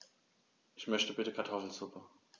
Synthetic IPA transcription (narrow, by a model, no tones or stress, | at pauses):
ʔɪçmœçtəbɪtəkʰaɐtʰɔfl̩zʊpə